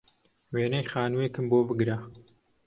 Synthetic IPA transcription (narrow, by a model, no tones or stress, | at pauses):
weːnɐjχaːnuwekɨmboːbɨɡɾa